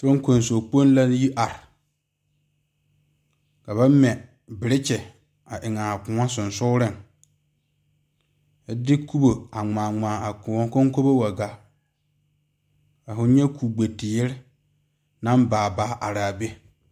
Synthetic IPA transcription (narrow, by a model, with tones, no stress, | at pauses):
to˦ŋ˦ko˨n˨so˨k͡po˦n˦la˦ji˦ʔa˨ɾɪ˨ | ka˨βa˦mɛ˨ | bɪ˨ɾɪ˦t͡ʃɛ˨ | a˨ʔɪ˨ŋa˨kʊ˨ŋa˦sʊ˨nsʊ˦ɾɪ˦ŋ | ɛ˦dɪ˦ku˦bo˨a˨ŋ͡maː˨ŋ͡maː˨a˨˦ko˦ŋ˦ko˦bo˦wa˨ɡa˨ | ka˨fʊ˦ɲɛ˦kʰu˨ɡ͡be˨tɪ˨jɪ˦ɾɪ˦ | nã˦mbaː˨baː˨˦ʔa˨ɾa˨be˦